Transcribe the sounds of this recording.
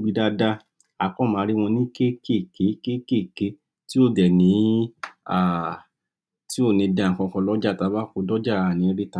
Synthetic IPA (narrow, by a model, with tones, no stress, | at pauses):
ɡ͡bi˧da˧da˦ | a˨kɔ̃˦˨mãː˨˦ɾi˦w̃ɔ̃˧nĩ˦ke˦ke˦˨ke˨˦ke˦ke˦˨ke˨˦ | ti˦o˦˨dɛ˨nĩ˨˦ | a˨ | ti˦o˦˨nĩ˧dã˨˧˨ŋ̩˨kɔ̃˧kɔ̃˧lɔ˦d͡ʒa˦˨ta˧˦ba˦ko˧dɔ˦d͡ʒa˦˨a˨nĩ˨˧˦ɾi˦ta˧˦